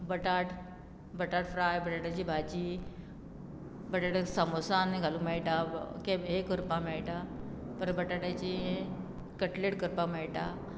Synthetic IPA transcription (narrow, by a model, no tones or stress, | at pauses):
bəʈaʈ | bəʈaʈfɾajbəʈaʈjat͡ɕiːbʱat͡ɕiː | bəʈaʈasəmosaniɡʱaluːmɛɭʈakeɦekəɾpamɛɭʈapəɾbəʈaʈat͡ɕiɦe | kəʈleʈkəɾpamɛɭʈa